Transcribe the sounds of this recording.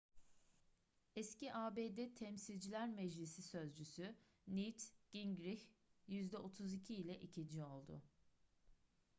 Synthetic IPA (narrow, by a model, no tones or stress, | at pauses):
ɛsciʔaːbeːd̪ɛt̪ʰɛmsilʲd͡ʒilʲæɾmɛd͡ʒlʲisisø̞zd͡ʒysy | nit̪ɡ̥iŋɡɾiçjyzd̪ɛo̞t̪ʰuzicʰiːlʲɛʔicʰind͡ʒio̞lˠd̪ʊ̰